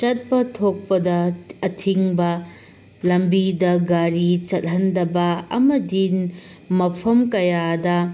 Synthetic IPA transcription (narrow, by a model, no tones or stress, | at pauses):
t͡ʃɐt̚pɐtʰok̚pɐdɐɐtʰiŋbɐ | lɐmbidɐɡaɾit͡ʃɐt̚ɦɐndɐbɐɐ̰mɐdi | mɐpʰɐmkɐjadɐ